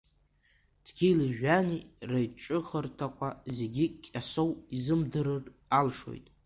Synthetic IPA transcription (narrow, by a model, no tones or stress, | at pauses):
d̥ɡʲilɨʒᶣanirajʈ͡ʂʼɨχərtʰakʷʰʼaze̞ɡʲikʲʼːasowizɨmdɨɾɨralʂo̞̰jtʼ